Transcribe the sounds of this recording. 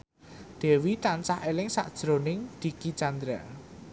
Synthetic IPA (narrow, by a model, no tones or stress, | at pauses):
d̪̥ɛ̤wit̪ansahelɪŋsa̰ʔd̥ʒ̥ɾo̤nɪŋd̪̥i̤kit͡ʃand̪ɾa